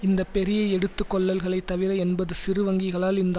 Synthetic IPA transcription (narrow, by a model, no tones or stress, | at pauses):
ɪnd̪ɐpːɛɾɪjɐɛɽɯt̪ːɯkːɔɭːɐlɣɐɭɐɪt̪ːɐʋɪɾɐɛnbɐðɯsɪɾɯʋɐŋɡɪɣɐɭaːlɪnd̪